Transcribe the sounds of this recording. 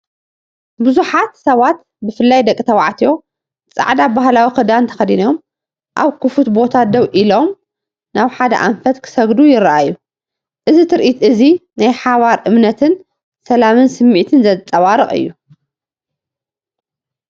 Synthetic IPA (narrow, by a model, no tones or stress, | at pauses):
bɨzuħat̪sɐβat̪ | bɨfɨlːajd̪ɐkʼːit̪ʰɐwaʕt̪ʰijo̞ | t͡sʼa̰ʕd̪abaɦlawixɨd̪ant̪ʰɐ̥xɐd̪inom | ʔa̰βkʰɨfut̪bo̞t̪ʰad̪ɐwʔilo̞m | naβħad̪ɐ̰ʔa̰ɱfɐt̪kʰɨ̥sɐɡd̪ujɪɾaʔajːu | ʔɨzit̪ʰɨɾʔit̪ʔɨzinajħaβaɾʔɨmnɐt̪ʰɨn | sɐlamɨnsɨmːiʕt̪ʰɨnzɐt͡s̪ʼːɐwaɾɨχʼɨ̰jːu